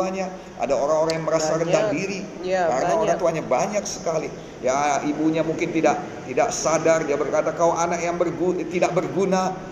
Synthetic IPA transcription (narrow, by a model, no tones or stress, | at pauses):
aɲa | ʔa̰daoɾaŋoɾaŋjaŋməɾasaɾənd̪adiɾikarnaoɾaŋt̪uaɲabaɲak̚sə̥kali | jaibuɲamuŋkɪnt̪idaʔ̚ | t̪idaʔsadardiabərkat̪akaoʔanak̚jaŋbərɡut̪idaʔ̚bərɡuna